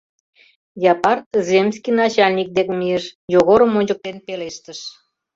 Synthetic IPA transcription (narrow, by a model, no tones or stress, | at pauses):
jɑpɑrzemskʲijnɑt͡ɕɑlʲnʲik̚d̪ekmieʃjoɣoɾəmonʲd͡ʑək̚t̪enpeleʃt̪əʃ